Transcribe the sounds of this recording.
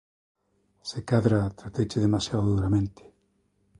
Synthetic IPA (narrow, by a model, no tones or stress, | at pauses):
sekaðɾat̪ɾat̪ejt͡ʃɪðemasjaoðuɾamẽnt̪ɪ̥